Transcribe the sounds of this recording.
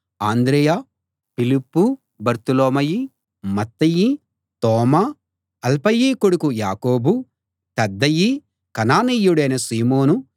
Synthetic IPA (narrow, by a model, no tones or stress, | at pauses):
aːnd̪ɾɛːjaː | pilipːu | bɐɾt̪uloːmɐji | mɐt̪ːɐji | t̪ɔːmaː | ɐlpɐjːiːkoɽukujaːkoːbu | t̪ɐd̪ːɐji | kɐnaːnijːuɽɐjnɐsiːmoːnu